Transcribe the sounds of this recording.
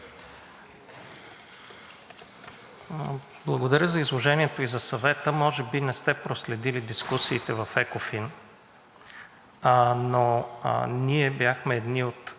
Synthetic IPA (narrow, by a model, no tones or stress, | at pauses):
blˠɐɡod̪ɐɾʲjəzɐizlˠoʒɛniɛt̪oizɐsɐvɛt̪əmɔʒɛbinɛst̪ɛpɾoslɛd̪ilid̪iskusiːt̪ɛvɐfɛkofin | no̰ | niɛbjaxmɛɛd̪niot̪